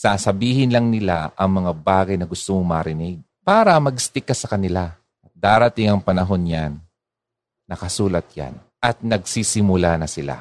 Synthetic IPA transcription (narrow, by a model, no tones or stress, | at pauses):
saːsɐbiːhɪnlɐŋnɪla̰ʔɐŋmɐŋabaːɡɐjnɐɡʊst̪omoŋmɐɾɪnɪɡ̚paːɾɐmɐɡst̪ɪkːɐsɐkɐnɪla | ʔɐt̪̚d̪aːɾɐt̪ɪŋɐŋpɐnɐɦo̞njanː | ɐkɐsuːlɐt̪̚ja̰n | ʔɐt̪̚nɐɡ̚sisɪmʊlanɐsɪla̰